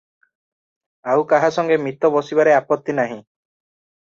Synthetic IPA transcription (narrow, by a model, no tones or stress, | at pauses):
awkaɦasɔŋɡemit̪ɔbɔsibaɾeapɔt̪ːinaɦĩ